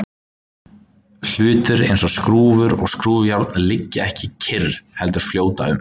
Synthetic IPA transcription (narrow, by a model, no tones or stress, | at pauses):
l̥ʏːt̪ʏɾḛjnsɔskɾuːvʏɾɔ̰ɣskɾuːvʏjaɾt̪nlɪcːɪɛhcɪcʰɪrhɛlt̪ʏɾ̥fljoːwt̪a̰ʏ̰m